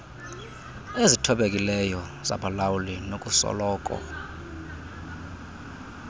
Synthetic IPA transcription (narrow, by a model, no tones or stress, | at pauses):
ezitʰɔɓekʼilɛjɔza̰bʰʱʼalawulinokʼusɔ̰lɔːkʼɔ̰